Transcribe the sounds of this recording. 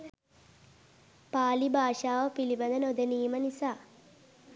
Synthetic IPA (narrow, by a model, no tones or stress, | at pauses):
paːlibʱaːʂaːʋəpilibɐd̪ɐnod̪ɐniːmənisaː